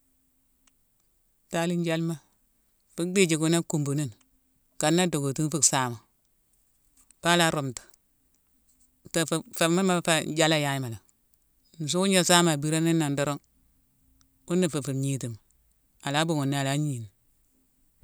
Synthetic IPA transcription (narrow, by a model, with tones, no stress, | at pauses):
ta˦li˦n˦d͡ʒa˦lma˦ | fi˦k̚di˦d͡ʒi˨ku˦na˦ku˨mbu˨ni˦n | ka˨nːa˦do˨ɡo˨ti˦n˦fi˦ksa˦ma˨ | pa˦la˦ɾo˨mtḁ˨ | ta˨fa˨ma˦ma˦fa˦d͡ʒa˦la˦ja˦ji˦ma˨la˨ | n̩˨s̬u˦wu˦ɲa˨sa˦ma˨bi˦ɾa˦ni˦nːa˨ndo˦ɾo˦ŋ | u˦nːi˨fu˨fi˨ɲi˨ti˨m˨ | a˨la˦bu˦˨ŋu˨nːi˦a˨la˦ɲ˦i˨ni˨